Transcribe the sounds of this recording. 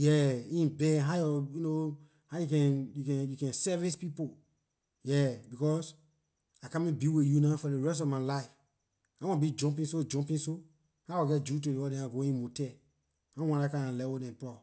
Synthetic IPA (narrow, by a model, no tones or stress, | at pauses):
jɛĩnbɛɦajɔjuno | hajukɛ̃njukɛ̃njukɛ̃nsɛvispipo | jɛbikɔs | akãmĩbiwijunafɔdeɹɛstɔfmalaɪf | awɔ̃nbid͡ʒɔ̃mp̬ĩnsod͡ʒɔ̃mpĩnso | hawɔɡɛt̚d͡ʒut̬udewɔdɛ̃aɡoĩnmotɛ | ãwɔ̃dakããlɛwodɛ̃npɔ